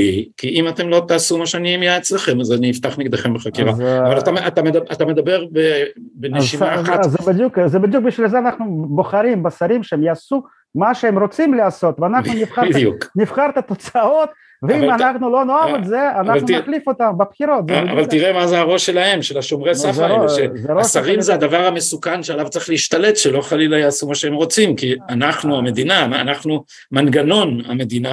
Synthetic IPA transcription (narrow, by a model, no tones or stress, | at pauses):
ikiʔimat̪e̞mlo̞t̪aːsumaʃeanimjaet͡slaχemazaniift̪aχniɡd̪eχembeχakiʁaavalat̪aat̪amed̪aat̪amed̪abeʁbebenezʃimaːatzebid̪jukzebid̪juk̚biʃvilzeanaχnubo̞χaɾimbasaɾimʃeemjasu | maʃeemɾot͡simleaso̞t̪veanaχnunifχaid̪juknifχaɾt̪at̪o̞t͡sao̞t̪ | veimanaχnulo̞noavetze̞anavlutaklifot̪ambepχiɾo̞t̪zea̰valt̪iʁemazeaʁo̞ʃelahe̞mʃelaʃomʁesafzeɾeoʃezeɾosaʁimzead̪avaʁhame̞sukanʃealavt͡saʁiχleiʃt̪ale̞t̪ʃelo̞χalilajaːsumaʃeemʁo̞t͡simkianaχnuame̞d̪inana̰naχnu | manɡano̞na̰me̞d̪ina